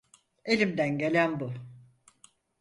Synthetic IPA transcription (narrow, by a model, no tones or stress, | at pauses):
e̞lʲimd̪ænɟe̞lʲænbu